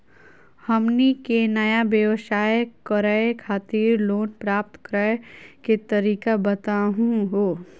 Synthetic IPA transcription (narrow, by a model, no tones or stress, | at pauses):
hɐmnikenɐjabjəʋsaːjkəɾəkʰaːt̪iːɾloːnpɾaːp̚t̪kɾəjket̪ɐɾiːkabɐt̪aɦũɦoː